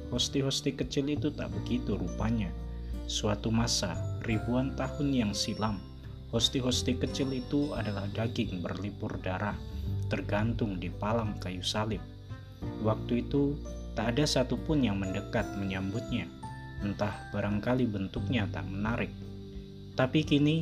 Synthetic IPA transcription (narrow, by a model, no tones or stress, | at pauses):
hɔst̪iɦɔst̪ikət͡ʃɪlit̪ut̪a̰ʔbəɡit̪uɾupaɲasuat̪umasa̰ribuant̪ahʊnjaŋsilam | hɔst̪iɦɔst̪ikət͡ʃɪlit̪uadalahdaɡɪŋbə̰rlipʊrdaɾaht̪ərɡant̪ʊŋdipalaŋkajusalɪp̚ | wak̚t̪uit̪ut̪aʔːdasat̪upʊnjaŋməndəkat̪̚məɲambʊt̪̚ɲa | ənt̪ahb̥aɾaŋkalibənt̪ʊk̚ɲat̪a̰ʔmənaɾɪk̚ | t̪apikini